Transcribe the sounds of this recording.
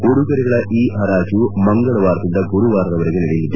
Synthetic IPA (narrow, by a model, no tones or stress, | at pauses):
koɽuɣɐɾɐɣɐɭɐʔiːɐɾaːd͡ʑumɐŋɡɐɭɐʋaːɾt̪ind̪ɐɡuɾuʋaːɾrɐʋɐɾɐɡeniɽejnːid̪ːɐ